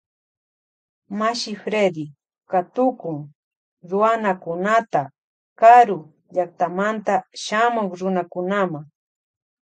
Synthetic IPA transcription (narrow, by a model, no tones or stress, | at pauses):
maʃɪfɾed̪ɪ | kat̪ʊkʊŋ | ɾʊanakʊnat̪a | kaɾʊ | ʎak̚t̪amant̪aʃamʊkɾʊnakʊnamaŋ